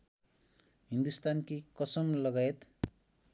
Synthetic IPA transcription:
ɦind̪ust̪ankikʌsʌmlʌɡajet̪

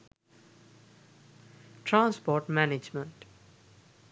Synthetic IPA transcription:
ʈɾãːnspɔːɾʈmæned͡ʒmə̃ɳʈ

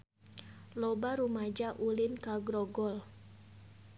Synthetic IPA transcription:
lɔbaɾumad͡ʒaʔulinkaɡɾɔɡɔl

